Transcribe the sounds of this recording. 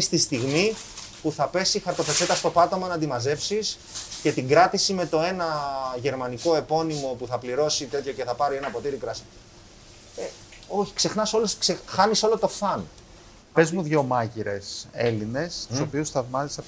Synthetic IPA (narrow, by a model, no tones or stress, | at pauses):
st̪ist̪iɣmi | puθɐpe̞sixɐɾt̪o̞pet͡se̞t̪ɐst̪o̞pɐt̪omɐnɐnd̪imɐze̞fsis | ce̞t̪iŋɡɾɐt̪isime̞t̪o̞e̞nɐʝe̞ɾmɐniko̞e̞po̞nimo̞puθɐpliɾo̞sit̪e̞t̪ço̞ce̞θɐpɐɾie̞nɐpo̞t̪iɾikɾɐsi̥ | e | o̞çi̥kse̞xnɐso̞lusksexɐniso̞lo̞t̪o̞θɐn | pe̞zmuðʝo̞mɐʝiɾe̞̰se̞line̞st̪uso̞piusθɐvmɐzisɐ